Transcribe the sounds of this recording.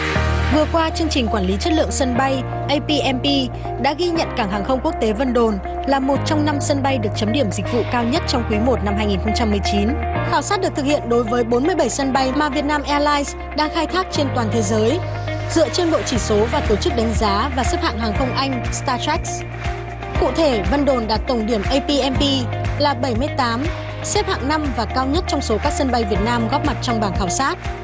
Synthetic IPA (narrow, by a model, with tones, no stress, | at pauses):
vɨ˨˩əkwaː˧t͡ɕɨ˧əŋt͡ɕï˨˩ŋ̟kwaː˧˩nli˨˦t͡ɕə˦˥t̚lɨ̰˧˨əŋsə˧nɓa˧j | ʔə˧jpi˧ʔɛ˧mpi˧ | ɗa̰ː˧˥ɣi˧ɲə̰˧˨nkaː˧˩ŋɦaː˨˩ŋxə˧wŋ͡mku˦˥ək̚t̪e˨˦və˧nɗo˨˩n | laː˨˩mo˨˩t̚t͡ɕɔ˧wŋ͡mna˧msə˧nɓa˧jɗɨ˨˩ək̚t͡ɕə˨˦mɗi˧˩əmzï˨˩k̟̚vṵ˧˨kaː˧wɲə˦˥t̚t͡ɕɔ˧wŋ͡mkwi˨˦mo˨˩t̚na˧mɦaː˧jŋi˨˩nxə˧ŋ͡mt͡ɕa˧mːɨ˨˩əjt͡ɕi˨˦nxaː˧˩wsaː˦˥t̚ɗɨ˨˩əkt̪ʰɨ˨˩khʰḭ˧˨ənɗo˨˦jvəː˨˦jɓo˨˦nmɨ˧əjɓə˧˩jsə˧nɓa˧jmaː˨˩vi˨˩ət̚naː˧mʔɛ˧laː˧js | ɗaː˧ŋxaː˧jt̪ʰaː˦˥k̚t͡ɕe˧nt̪waː˨˩t̪ʰe˨˦zəː˨˦j | zɨ̰˧˨ət͡ɕe˧nɓo̰˧˨t͡ɕi˧˩so˨˦vaː˨˩t̪o˧˩t͡ɕɨ˦˥k̚ɗa˨˦jŋ̟zaː˨˦vaː˨˩sɛ˦˥p̚ha̰ː˧˨ŋɦaː˨˩ŋxə˧wŋ͡mʔa˧jŋ̟st̪aː˧t̪ʰɛ˦˥k̚ | kṵ˧˨t̪ʰe˧˩və˧nɗo˧˩nɗaː˧˥k̚t̪ə˧˩ŋ͡mɗi˧˩əmʔə˧jpi˧ʔɛ˧mpi˧laː˨˩ɓə˧˩jmɨ˧əjt̪aː˨˦m | se˦˥p̚ha̰ː˧˨ŋna˧mvaː˨˩kaː˧wɲə˦˥t̚t͡ɕɔ˧wŋ͡mso˨˦kaː˦˥k̚sə˧nɓa˧jvi˨˩ət̚naː˧mɣɔ˦˥p̚ma˨˩t̚t͡ɕɔ˧wŋ͡mɓaː˧˩nxaː˧˩wsaː˦˥t̚